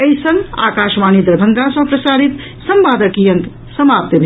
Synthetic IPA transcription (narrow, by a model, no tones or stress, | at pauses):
əisə̃ŋɡa̰kaʃmanid̪ɾbʱənd̪ʱasʌ̃pɾəsaɾit̪ | səmbaːd̪əkijə̃ŋk | səmap̚t̪əbʱ